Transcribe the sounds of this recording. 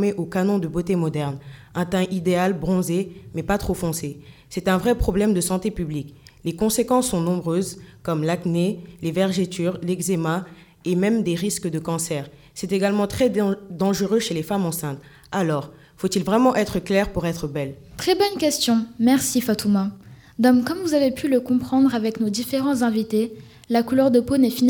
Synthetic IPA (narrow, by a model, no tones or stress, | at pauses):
meʔokanɔ̃d̪əbot̪emɔd̪ɛʁnɛ̃t̪ɛ̃ʔid̪ealbʁɔ̃zemɛpat̪χofɔ̃sesɛt̪ɛ̃vʁɛpχɔblɛmd̪əsɑ̃t̪epybliklekɔ̃sekɑ̃sːɔ̃nɔ̃bʁøzkɔmlaknelevɛʁʒet̪yʁlɛɡzema | emɛmd̪eʁiskəd̪əkɑ̃sɛːʁ | sɛt̪eɡalmɑ̃t̪χɛd̪ɑ̃ʒəʁøʃelefamɑ̃sɛ̃t̪ | alɔːʁ | fot̪ilvʁɛmɑ̃ʔɛt̪χəklɛʁpuʁɛt̪χəbɛl | t̪χɛbɔnkʲɛst̪jɔ̃mɛʁsifat̪uma | d̪amkɔmvuzavepʰyləkɔ̃pχɑ̃d̪ʁavɛknod̪ifeʁɑ̃zɛ̃vit̪e | lakulœʁd̪əponɛfin